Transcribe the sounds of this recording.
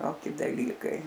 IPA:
ˈtoːkʲɪ dɐˈlʲiːkɐɪ

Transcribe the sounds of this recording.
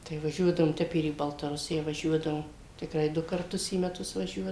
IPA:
tɐɪ ʋɐˈʒʲuɔdɐʋoːm ˈtʲɛp ɪr iː bɐlˠtɐˈrʊsʲɪjɛ ʋɐˈʒʲuɔdɐʋoːm tʲɪkˈrɐɪ ˈdʊ kɐrˈtʊs iː mʲɛˈtʊs ʋɐˈʒʲuɔ

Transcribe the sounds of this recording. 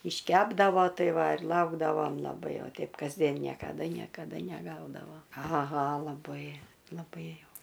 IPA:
ɪʃʲˈkʲæːbdɐʋoː ˈtɐɪ ˈʋɐ ɪr ˈlˠɐʊɡdɐʋoːm lˠɐˈbɐɪ oː ˈtʲɛɪp kɐzʲˈdʲiɛn nʲiɛkɐˈdɐ nʲiɛkɐˈdɐ nʲɛˈɡɐʊdɐʋoː ɐˈɣɐ lˠɐˈbɐɪ lˠɐˈbɐɪ jɛʊ

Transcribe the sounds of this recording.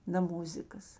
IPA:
nɐ ˈmʊzʲɪkɐs

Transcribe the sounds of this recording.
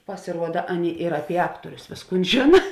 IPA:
pɐsʲɪˈruɔdɐ ˈɑːˌnʲeːɪ ɪr ˈɑːpʲiɛ ˈɑːktuɔrʲʊs ˈʋʲeːsˌkuːn ˈʒʲeːnɐ

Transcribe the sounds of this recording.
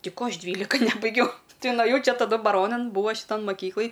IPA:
ˈtʲɛɪ ˈkoː ˈɐʃ ˈdʲʋʲiːlʲɪkɐ ˈnʲæːbɐɪɡʲɛʊ ˈtɐɪ nʊɐˈjɛʊ ˈt͡ʃʲɛ tɐˈdʊ bɐˈroːnɐn ˈbuːʋɐ ʃʲɪˈtɐn mɐˈkʲiːklˠɨj

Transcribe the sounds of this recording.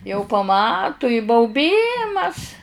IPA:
jɛʊ pɐˈmɑːtʊ ɪ bɐʊˈbʲiːmɐs

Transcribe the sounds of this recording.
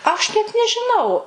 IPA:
ɐʃ nʲɛt nʲɛʒʲɪˈnɐʊ

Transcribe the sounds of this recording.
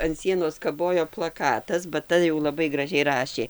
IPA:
ɐn ˈsʲiɛnoːs kɐˈboːjoː plˠɐˈkɑːtɐs bɐ ˈtɐ jɛʊ lˠɐˈbɐɪ ɡrɐˈʒʲɛɪ ˈrɑːʃʲeː

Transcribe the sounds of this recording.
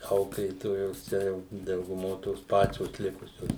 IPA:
ˈɐʊklʲeːtoːjoːs ˈt͡ʃʲɛ jɛʊ dɐʊɡʊˈmoː toːs ˈpɑːt͡ʃʲoːs ˈlʲɪkʊsʲoːs

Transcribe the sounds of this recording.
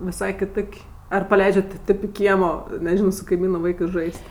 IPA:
ʋʲɪˈsɐɪ kʲɪˈtoːkʲ ɐr pɐˈlʲɛɪd͡ʒʲɛt tʲɪ ˈtʲeːp ɪ ˈkʲiɛmoː nʲɛˈʒʲɪnoː sʊ kɐɪˈmʲiːnʊ ˈʋɐɪkɜs ˈʒɐɪsʲtʲ

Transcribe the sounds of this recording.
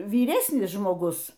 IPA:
ʋʲiːˈrʲæːsʲnʲɪs ʒmoːˈɡʊs

